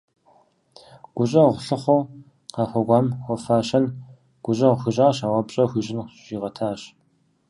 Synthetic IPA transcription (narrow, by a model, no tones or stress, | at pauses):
ɡ̥ʷʊɕʼɐʁʷɬɨχʷow | qɑːxʷɐɡʷɑːmwʷɔfaːɕɐn | ɡ̥ʷʊɕʼɐʁxʷɨɕʼaːɕaːwɐpɕʼɐxʷiʑɪnʒ̥iːʁɐtʰaːɕ